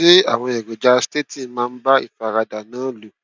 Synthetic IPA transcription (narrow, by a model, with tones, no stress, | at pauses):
e˦a̰˦˨w̃ɔ̃˧ɛ˨ɡo˨d͡ʒa˨˧ste˦ti˦mãː˧n̩˦ba˦ḭ˦˨fa˨˧˨ɾa˧da˨nãː˨˦lu˨